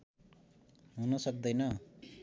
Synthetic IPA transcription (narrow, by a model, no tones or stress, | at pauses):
ɦunʌsʌk̚d̪ʌjnʌ